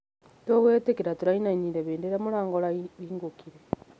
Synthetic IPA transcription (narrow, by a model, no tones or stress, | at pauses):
toɣweːtekeɾatuɾainaɲiɾeβeːndeɾamuɾaːŋɡolaβiːŋɡukiɾe